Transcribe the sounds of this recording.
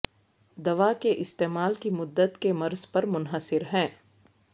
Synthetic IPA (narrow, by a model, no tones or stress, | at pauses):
d̪ɐʋakeʔɪst̪eːmaːlkimʊd̪ːət̪kemɐɾzpɐɾmʊnɦəsɪɾɦɛ̃ː